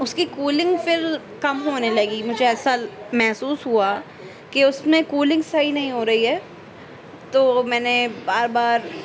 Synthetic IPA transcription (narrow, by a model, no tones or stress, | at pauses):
ʊskikuːlɪ̃ŋɡfɪɾ | kɐmɦoːnelɐɡimʊd͡ʒʱeɛːsamɛɦsuːsɦua | keʊsmẽkuːlɪ̃ŋɡsɐɦinɐɦĩɦoːɾɐɦiɦɛː | t̪oːmɛːnebaːɾbaːɾ